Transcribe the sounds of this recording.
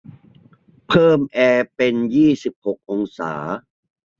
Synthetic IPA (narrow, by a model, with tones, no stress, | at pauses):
pʰɤː˥˩mʔɛː˧pe˧njiː˥˩si˨˩p̚ho˨˩k̚ʔo˧ŋsa̰ː˩˦